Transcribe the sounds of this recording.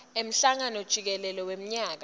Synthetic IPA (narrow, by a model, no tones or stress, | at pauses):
em̩ɬaŋanɔd̥ʒ̥ʱik̬ɛlɛlɔwem̩ɲaːk̬a